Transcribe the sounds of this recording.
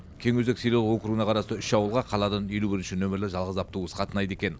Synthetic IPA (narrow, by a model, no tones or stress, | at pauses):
kʲʰeŋwɵzeksejlelwo̞kɾuɡənɑqʰɑɾɑst̪əʏʃɑwəlˠʁɑqʰɑlˠɑd̪ɑnje̞lubɪɾɪnʃɪnɵmɪɾlɪʒɑlˠʁəzɑp̚t̪əuəsə̥qʰɑt̪ənɑjd̪e̞kʲe̞n